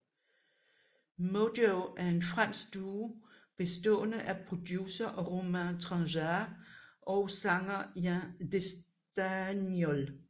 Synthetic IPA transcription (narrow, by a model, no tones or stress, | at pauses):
modoʊʔæɐe̝nfʁan̰sd̥uː | b̥e̝sd̥ɔ̰̽ːnəʔæpʰʁo̝d̥jusɐʔɒʁomænt͡sʰʁɑsæ | ʔɒʊsɑ̈ŋɐjædes | d̥ænjɔl